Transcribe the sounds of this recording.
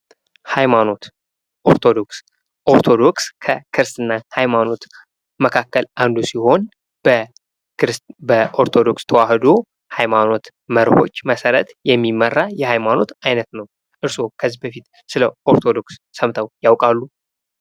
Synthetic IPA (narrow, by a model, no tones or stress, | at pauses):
hajmano̞t̪ | ʔoɾt̪ʰod̪o̞ks | ʔo̞ɾt̪ʰo̞d̪o̞kskʰəkʰɨɾsɨnːahajmano̞t̪ | məkʰakːəlʔand̪usiho̞n | b | ɾbəʔoɾt̪ʰo̞d̪o̞kst̪ʰəwahd̪o̞ | hajmano̞t̪ | məɾho̞̰t͡ʃːməsəɾət̪jɛmːimːərːajɛhajmano̞t̪ajnət̪nəw | ʔɨɾsokʰəzibəfit̪ | sɨləʔo̞ɾt̪ʰod̪o̞ksːəmt̪ʰəwjawkʼalːu